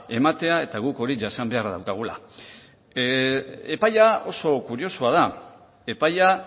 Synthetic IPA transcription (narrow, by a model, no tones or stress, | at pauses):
e̞mat̪e̞ae̞t̪aɣuko̞ɾiʝasambe̞aɾðawkaɣ̞ula̰ | epajao̞so̞kuɾio̞suaða | e̞paja